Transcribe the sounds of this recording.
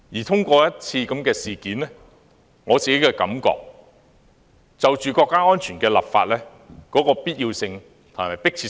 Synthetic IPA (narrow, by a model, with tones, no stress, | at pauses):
jiː˨˩t̪ʰʊ˥ŋkʷɔː˧jɐ˥t̚t͡sʰiː˧kɐ˨˥mkɛː˧siː˨˩kiː˨˦nlɛ˥ | ŋɔː˨˧t͡siː˨˩ke˨˥jkɛː˧kɐ̰˨˥mkɔ̰ː˧k̚ | t͡sɐ˨wt͡ʃyː˨kɔː˧kːaː˥ŋɔː˥nt͡ʃʰyː˨˩nkɛː˧lɐ̰˨p̚fa̰ː˧t̚lɛː˥ | kɔː˨˥kɔː˧piː˥t̚ji˧wsɪ˧ŋ | t̪ʰʊ˨˩maː˨˩jpɪ˥k̚t͡sʰiː˧